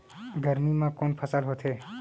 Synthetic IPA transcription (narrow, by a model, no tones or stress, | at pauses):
ɡʱəɾmimãkonpʰəsaːlɦot̪ʰe